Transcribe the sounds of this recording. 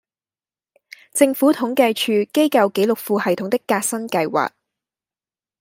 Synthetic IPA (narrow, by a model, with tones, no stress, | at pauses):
t͡sɪ˧ŋfuː˨˥t̪ʰʊ˨˥ŋkɐ˧jt͡ʃʰyː˧ke˥jkɐ˧wke˨˥jlʊ˨k̚fuː˨˧hɐ˨˩jt̪ʰʊ˨˥ŋt̪ɪ˥kːaː˧t̚sɐ˥nkɐ˧jwa̰ː˨˩k̚